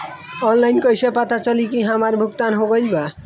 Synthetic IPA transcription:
ɔnlajnkɔjsepat̪at͡ʃɔlikiɦamaɾbʱuk̚t̪anɦoɡɔlba

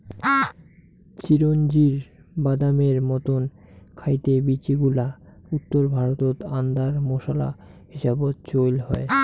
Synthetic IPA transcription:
t͡ɕiɾond͡ʑiɾ | bad̪ameɾmɔt̪onkʰajt̪ebit͡ɕiɡulaut̪ːoɾbʱaɾot̪ot̪and̪aɾmoʃala̰hiʃabot̪̚t͡ɕojlɦɔe

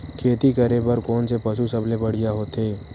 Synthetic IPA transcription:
kʰeːt̪ikəɾebəɾkoːnsepɐsusɐbʱlẽbɐɽ̤ɪjaɦoːt̪eː

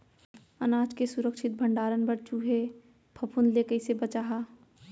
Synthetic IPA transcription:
ənaːd͡ʒkesʊɾəkʃʰɪt̪̚bʱəɳɖaːɾənbəɾt͡ʃuːɦe | pʰɐpʰʊnleːkəjsebət͡ʃaːɦaː

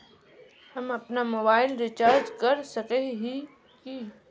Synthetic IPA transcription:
hɐmɐpnamoːbaːɪlɾɪt͡ʃaːɾd͡ʒkɐɾsɐkeɦi | ki

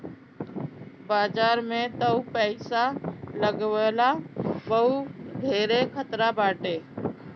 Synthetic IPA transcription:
baːd͡ʒaːɾmẽt̪əupɛɪsaləɡʋəːlabəud̪ʱeːɾeːkʰət̪ɾabaːʈeː

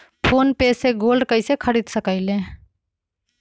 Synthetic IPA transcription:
pʰonpeseɡolɖkəɪsekʰəɾid̪səkəɪle

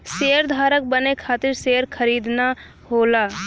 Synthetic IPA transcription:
seːəɾd̪ʱaːɾək̚bənekʰaːt̪ɪɾseːəɾkʰəɾiːd̪na | ɦoːlaː

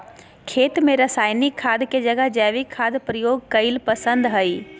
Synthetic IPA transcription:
kʰeːt̪mẽɾɐsaːɪnikʰːaːd̪ʱked͡ʒɐɡəɦd͡ʒɛːʋikʰːaːd̪ʱpɾɐjoːɡkɐɪlpɐsə̃nd̪ɦɐiː

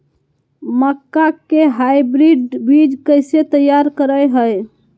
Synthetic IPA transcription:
məkːakeɦajbɾiɖbid͡ʒkəjset̪əjːaɾkəɾəjɦəj

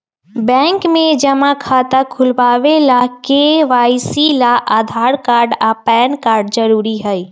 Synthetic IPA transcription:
bɛ̃ːŋkmẽd͡ʒɐmãkʰaːt̪akʰʊlʋaːʋelakeʋaːisilaʔaːd̪ʱaːɾkaːɾɖapɛːnkaːɾɖd͡ʒəɾuːɾiɦəi

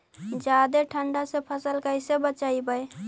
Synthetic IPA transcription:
d͡ʒad̪eʈʰəɳɖasepʰəsəlkəjsebət͡ʃaibəj

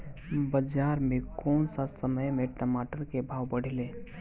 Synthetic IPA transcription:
bəd͡ʒaːɾmekɔːnsəsəməjmeʈəmaʈəɾkebʱaːwbəɽ̤ile

